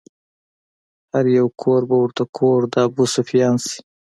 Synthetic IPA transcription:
haɾjawkʰoːɾbawʊɾt̪akʰoːɾd̪ɑːbusufjɑːnsi̥

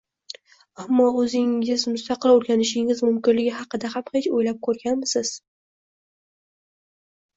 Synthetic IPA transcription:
amːɒɵzɪŋɪzmʊst̪ɑqʰɨlˠɵɾɡʲanɪʃɪŋɪzmʊmkʲɪnlɪɡʲɪɦɑqɨd̪ahamhe̞t͡ʃojlap̚kʰɵɾɡʲanmɪsɪz̥

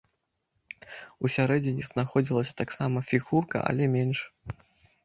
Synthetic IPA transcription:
usʲaɾɛd͡zʲɪnʲiznaxɔd͡zʲilˠɐsʲɐ̥t̪aksamɐfʲiɣurkɐ̰ʔɐ̰lʲɛmʲɛnʂ

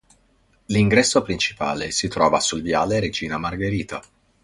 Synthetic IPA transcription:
liŋɡɾɛsːopɾint͡ʃi̥pa̰ːlesit̪ɾɔːvasulvjaːleɾed͡ʒiːnamarɡeɾiːt̪a

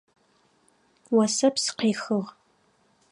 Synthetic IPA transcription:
wɐsɐpsɨ̥qeːxəʁ

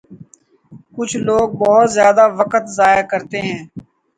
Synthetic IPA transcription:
kʊt͡ʃʰloːɡ̚bɔɦʊt̪zjaːd̪aːʋəkət̪zaːjakəɾt̪eɦɛ̃ː

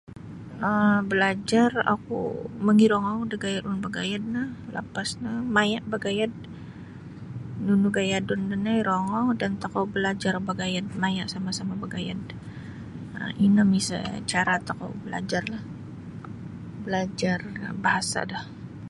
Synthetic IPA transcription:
əbəlad͡ʒara̰kṵməŋiɾɔŋawdəɡajadunbaɡajad̪̚nahla̰pasnamajaʔbaɡajad̚ | nunuɡajadʊndənajɾoŋɔdant̪akawbəlad͡ʒarbaɡajad̪̚majaʔsamasamabaɡaja̰d̚ | ə̰inəmisə̰t͡ʃaɾat̪aka̰wbəla̰d͡ʒarlah | bəlad͡ʒarbahasa̰dah

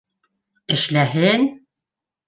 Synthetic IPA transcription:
ɘ̆ʃlæɦɘn

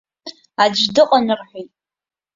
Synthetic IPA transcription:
ad͡ʒʷdɨqʼanɨrħʷᶣojtʼ

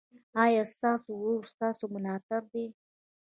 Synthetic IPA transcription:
ɑjɑst̪ɑsowost̪ɑsomʊnɑt̪ɪb̚d̪e

